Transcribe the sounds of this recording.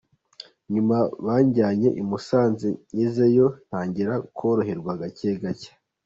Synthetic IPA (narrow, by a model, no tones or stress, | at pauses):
ɲumaβaːɲɟaːɲe̞̰ʔimusaːnziɲizejo̞n̥haːɲɟiɾakʰo̞ːɾo̞he̞ɾɡwaɡaceːɡacḁ